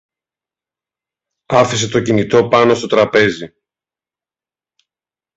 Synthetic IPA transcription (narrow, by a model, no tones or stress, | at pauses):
ɐfise̞t̪o̞cinit̪o̞pɐno̞st̪o̞t̪ɾɐpe̞zi